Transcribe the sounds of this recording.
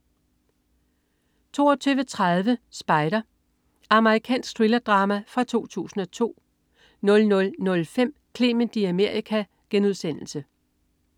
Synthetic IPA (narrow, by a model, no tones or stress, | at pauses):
t͡sʰo̝̰ːɒt͡sʰyːʋət͡sʰʁað̞ˠʋəsb̥ɑ̈ɪɾ̥ɐ | ɑ̈məʁikʰɛ̰ːnsɡ̥̚d̥ʁilɐd̥ʁɑ̈mæfʁɑ̈t͡sʰo̝̰ːt͡sʰṵːsn̩ɒ̽t͡sʰo̝̰ː | nɔ̽lnɔ̽lnɔ̽lfem̰ | kʰle̝mend̥iæme̝ɐ̰ikʰæ | ɡ̥enuð̞ˠsen̰l̩sə